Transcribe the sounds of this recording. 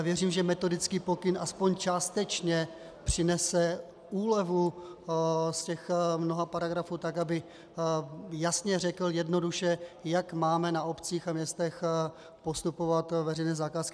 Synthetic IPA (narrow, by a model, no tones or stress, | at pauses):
vjɛriːmʒɛmɛt̪o̞dɪt͡skiːpo̞kɪnaspoɲt͡ʃaːst̪ɛt͡ʃɲɛ | pr̝̥ɪnɛsɛ | ʔuːlɛvu | scɛxmno̞ɦapaɾaɡɾafuːt̪akabɪ | jasɲɛrɛkl̩jɛdno̞duʃɛjakmaːmɛnaopt͡siːxamɲɛst̪ɛx | po̞st̪upo̞vat̪vɛrɛjnɛːzakaːskɪ